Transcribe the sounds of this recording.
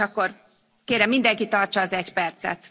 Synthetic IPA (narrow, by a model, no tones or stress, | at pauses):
ɒkːo̞r | keːɾɛmːind̪ɛŋkit̪ɒrt͡ʃɒːzɛcpɛrt̪sɛ̰t̪